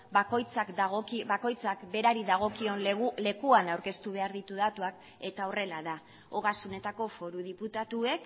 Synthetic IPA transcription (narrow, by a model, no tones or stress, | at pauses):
bakojt͡sakd̪aɣokibako̞jt͡sakbe̞ɾaɾiðaɣ̞o̞kio̞nle̞kuanawɾke̞st̪uβ̞e̞aɾðit̪uðat̪uak | e̞t̪ao̞re̞laða | oɣasune̞t̪ako̞fo̞ɾuðiput̪at̪ue̞k